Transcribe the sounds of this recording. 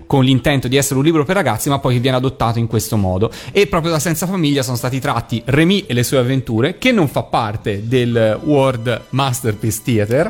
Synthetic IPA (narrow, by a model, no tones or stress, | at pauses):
konlint̪ɛnt̪od̪iɛsːeɾeunliːbɾoperːaɡat̪sːimapːɔjkevːjɛːnead̪ot̪ːaːt̪oiŋkwest̪omɔːd̪oepːɾɔːpɾjod̪asɛnt̪safamilʎːasoːnost̪aːt̪it̪ɾat̪ːiremiʔelːesuːeavːent̪uːɾek̟enːoɱfapːart̪ed̪elword̪mast̪erpist̪iat̪er